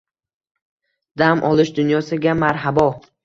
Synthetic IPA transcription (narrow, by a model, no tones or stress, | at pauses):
d̪̥amʔɒlˠɪʃd̪ʊnjɒsɪɡʲamaɾɦabɒ